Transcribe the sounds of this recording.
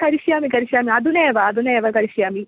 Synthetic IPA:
kɐɾiʃjaːmikɐɾiʃjaːmiɐd̪uneːʋɐːd̪uneːʋɐkɐɾiʃjaːmi

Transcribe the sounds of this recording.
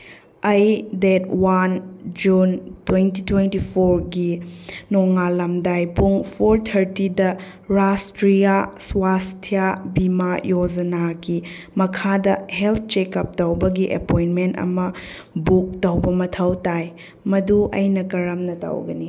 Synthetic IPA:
ɐjdɛt̚wand͡ʒuntwentitwentipʰoɾɡinɔŋalɐmdajpuŋpʰoɾtʰɐɾtidɐ | ɾastɾijaswastʰijabimajod͡ʒɐnaɡi | mɐkʰadɐhelt̪̚ʰt͡ʃekɐp̚tɐwbɐɡiʔɐ̰pojnmentɐ̰mɐ | buk̚tɐwbɐmɐtʰɐwtaj | mɐduʔɐ̰jnɐkɐɾɐmnɐtɐ̰wɡɐni

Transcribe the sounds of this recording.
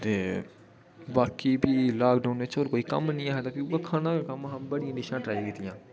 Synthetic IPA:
t̪eː | baːkiːbiːlaːkɖaʊnʋɪt͡ʃoːɾkoːiːkə̰mnĩːaːɦɛt̪aːpiuaːkʰaːnãːkaːkəmɦaːmbəɽɪjãːɖɪʃãːʈɾaːjkiːt̪ɪjãː

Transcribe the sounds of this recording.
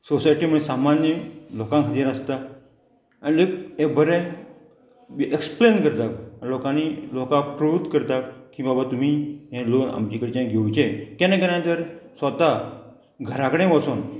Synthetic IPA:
sosajʈiːməsamanjəlokãŋkʰət̪jaɾəst̪aː | ñiləkebʱəɾẽ | ʔeksplenkəɾt̪aklokãnilokãpɾuut̪kəɾt̪akkĩbabat̪um̤iɦẽlona̰mt͡ɕikəɽit͡ɕãɡʱeut͡ɕekenẽkenãt̪əɾsət̪a | ɡʱəɾãkəɽẽʋəsun

